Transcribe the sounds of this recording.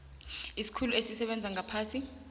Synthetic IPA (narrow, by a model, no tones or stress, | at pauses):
isi̥kʰuluesisɛɓɛnd͡zʱaŋʱapʰaːsi